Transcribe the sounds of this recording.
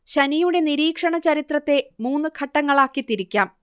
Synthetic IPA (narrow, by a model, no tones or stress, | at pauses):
ɕɐnijuɽe̞niɾiːkʂɐɳɐt͡ɕɐɾit̪rɐt̪ːe̞muːnːɨkʰɐʈːɐŋːɐɭaːkːit̪iɾikʲːaːm